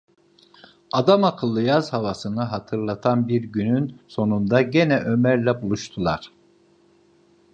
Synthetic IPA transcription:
ad̪amakʰɯlˠːɯjaz̥havasɯnɯɦat̪ʰɯɾlˠat̪ʰanbiɾɟynynso̞nund̪aɟenɛʔø̞mæɾlʲɛbulˠuʃt̪ʰulˠaɾ̥

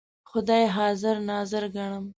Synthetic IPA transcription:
xʊd̪ɑjɦɑzɪɾnɑzɪɾɡaɳəm

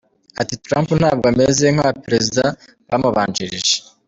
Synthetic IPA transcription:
atitɾaːmpunhaːb̚ɡamezeŋhaβapɾe̞zida | βamuβaːnd͡ʒiɾiʒe

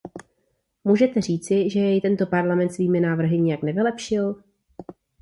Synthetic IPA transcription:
muːʒɛt̪ɛriːt͡sɪʒɛjɛjt̪ɛnt̪o̞paɾlamɛnt̪sviːmɪnaːvr̩ɦɪɲɛjaknɛvɪlɛpʃɪl

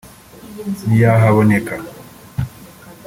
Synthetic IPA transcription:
nijaɦaβɔnɛka

